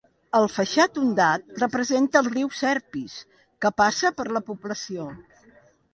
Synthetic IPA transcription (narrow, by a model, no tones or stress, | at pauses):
əlˠfəʃat̪und̪at̪̚rəpɾəzent̪əːlˠriwsɛɾpis | kəpasəpəɾləpupləsio